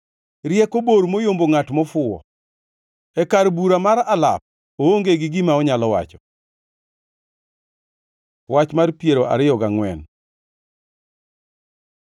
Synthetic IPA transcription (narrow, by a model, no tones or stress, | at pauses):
ɾjɛkoboɾmojomboŋatmɔfʊɔ̰ | ɛkaɾbuɾamaɾala̰p̚ | ooŋɡeɡɪɡɪmaɔɲalɔwa̰t͡ʃɔ̥ | wat͡ʃmarpjeɾoʔa̰ɾɪjɔɡaŋwɛn